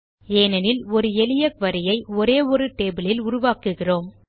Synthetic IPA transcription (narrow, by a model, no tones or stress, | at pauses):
eːnɐnɪlɔɾɯɛlɪjɐkʋɐɾɪjɐɪɔɾeːɔɾɯʈeːbɪlɪlʊɾʊʋaːkɯɣɪroːm